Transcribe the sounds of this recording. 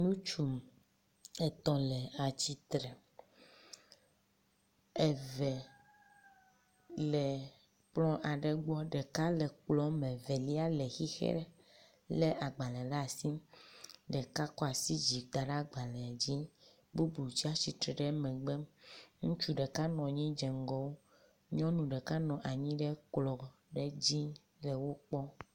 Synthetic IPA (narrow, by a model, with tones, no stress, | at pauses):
nũ˦t͡ʃu˨m | ɛ˨t̪ɔ˦lɛ˨a˨t͡ɕi˦t̪ɾɛ˨ | e˨vɛ˨ | lɛ˨ | k͡plɔ̃˦ʔa˨ɖɛ˨ɡ͡bɔ˦ɖɛ˨ka˦lɛ˨k͡plɔ˦mɛ̃˨vɛ˨li˦a˦le˨xi˦xḛ˦ɾɛ˦ | le˦ʔa˨ɡ͡ba˨lɛ˨la˦a˨si˦ | ɖɛ˨ka˦kɔ˦a˨si˦d͡ʑi˨d̪a˨ɖa˦ɡ͡ba˨lɛ˨a˨d͡ʑi˦ | bu˦blu˨t͡ɕi˦a˦si˨t̪ɾɛ˨ɖɛ˦mɛ̃˨ɡ͡bɛ˦ŋũ˦t͡ʃu˦ɖɛ˨ka˦nɔ̃˨ɲĩ˦d͡ʒɛ˨ŋ˦ɡɔ˦wo˦ | ɲɔ̃˦nũ˨ɖɛ˨ka˦nɔ̃˨ʔa˨ɲĩ˦ɖɛ˦k͡plɔ˨ | ɖɛ˦d͡ʑi˦ | lɛ˨wo˦k͡pɔ˦